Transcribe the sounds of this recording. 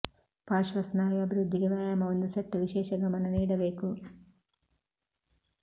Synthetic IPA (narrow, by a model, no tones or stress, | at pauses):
paːʃʋɐsnaːjuɐbʱiɾud̪ʱːiɡɐʋaːjamɐond̪usɐʈːuʋiʃɛːʃɐɡɐmɐnɐniːɽɐbe̞ːku